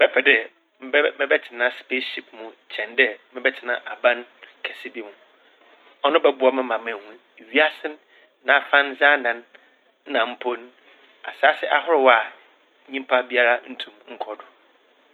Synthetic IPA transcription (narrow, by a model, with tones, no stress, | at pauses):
bɛ˦pɛ˨dɛ˨ | m˦mɪ̃˦bɛ˦tʰɪ˨nã˦spe˦ʃi˨pmũ˨t͡ɕʰɛ̃˨ndɛ˦mɪ̃˦bɛ˦tʰɪ˨nã̰˨ʔa˨bã˦nkʰɛ˨sɪ˦bi˦mũ˨ | ɔ˦nʊ̃˦bɛ˦bʊ˦ɔ˨mɪ̃˦mã˨mɛ̃˨hũ˦n˨ɥi˦a˦sɪ̃˦n | nã˨fã˦nza˦nã˨n̩˦ | nã˨m̩˦pʰo˦n | a̰˨saː˦sɪ˦ʔa̰˦hʊ˦ɾɪ˨wa˨ | ɲĩ˦m˦pʰa˦bi˦a˦ɾa˦n̩˦tʰũ˦˨mŋ̩˦kʰɔ˨dʊ˨